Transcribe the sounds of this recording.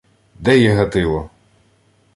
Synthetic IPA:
d̪ɛjɛɦɐt̪ɪlˠɔ

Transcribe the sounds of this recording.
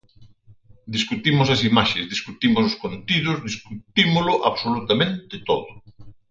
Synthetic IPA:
d̪iskut̪imʊsɐsimaʃezðiskut̪imʊsʊskont̪iðʊzðiskut̪imʊlʊʔaβsolut̪amẽnt̪ɪt̪oðʊ

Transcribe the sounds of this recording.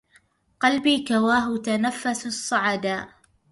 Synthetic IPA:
qɑlbiːkawaːɦʊt̪anafːassˤːɑʕad̪aːʔ

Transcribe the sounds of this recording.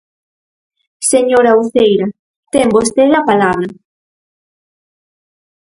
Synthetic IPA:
seɲoɾauθejɾɐ | t̪embost̪eðɐpalaβɾɐ

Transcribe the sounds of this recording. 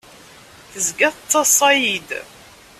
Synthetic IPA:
θəzɡæθət͡s̪ˤːɑsˤɑjid̪

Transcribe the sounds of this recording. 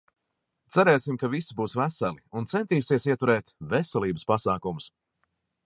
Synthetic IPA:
t̪sæɾɛːsimkavisibuːsvæsælˠiunt̪sɛnt̪iːsiɛsiɛt̪uɾɛːt̪vɛsɛlˠiːbəspasaːkumʊs

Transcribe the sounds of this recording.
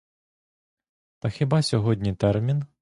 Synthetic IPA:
t̪ɐxebɑsʲɔɦɔdʲnʲit̪ɛrmʲin

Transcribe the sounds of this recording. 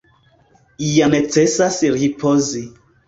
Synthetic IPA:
ijanet͡sesasɾipʰozi

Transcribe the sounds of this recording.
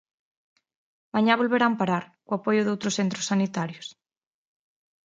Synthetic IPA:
baɲaβolβeɾampaɾaɾkʊapojʊðowt̪ɾʊsθent̪ɾʊsanit̪aɾjʊs

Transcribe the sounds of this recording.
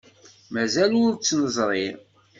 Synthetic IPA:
mæzælʊɾt͡sːnəzˤɾˤiɾ

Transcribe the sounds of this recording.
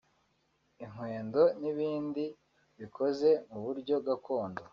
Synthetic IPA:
iŋ̥we̞ːndo̞niβiːndi | βikʰo̞ze̞muβuɾɟo̞ɡakʰo̞ːndo

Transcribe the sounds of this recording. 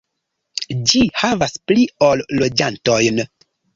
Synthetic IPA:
d͡ʒihavasplio̞lːo̞d͡ʒanto̞jn

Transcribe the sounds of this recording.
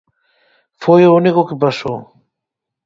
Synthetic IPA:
fojounikʊkɪpasow

